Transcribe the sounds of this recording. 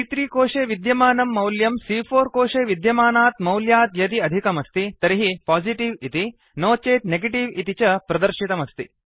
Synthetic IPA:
tit̪ɾiːkoːʂeːʋid̪jɐmaːnɐmːɐwljɐmsiːpʰoːɾkoːʂeːʋid̪jɐmaːnaːt̪mɐwljaːt̪jɐt̪iɐd̪ʱikɐmɐst̪it̪ɐɾiɦipaːsiʈiʋit̪i | noːt͡ʃeːt̪neɡeʈiʋit̪it͡ʃɐpɾɐd̪ɐɾʃit̪ɐmɐst̪ḭ

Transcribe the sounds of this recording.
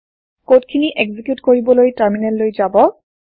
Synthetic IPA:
kotkʰiniʔɛɡzikjutkoɹibɔlojtaɹminɛlːojzabɔ

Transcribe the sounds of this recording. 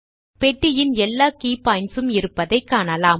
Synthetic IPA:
pɛʈːɪjɪnɛlːaːkiːpɐɪnsɯmɪɾɯpːɐðɐɪkːaːnɐlaːm

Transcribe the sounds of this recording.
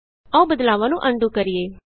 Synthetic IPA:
əũːbəd̪laːʋãːnũːʔəɳɖuːkəɾɪeː

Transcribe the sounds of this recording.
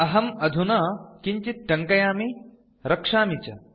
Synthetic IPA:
ɐɦɐmɐd̪ʱunɐkiɲt͡ʃit̪̚ʈɐŋkɐjaːmi | ɾɐkʂaːmit͡ʃɐ̰

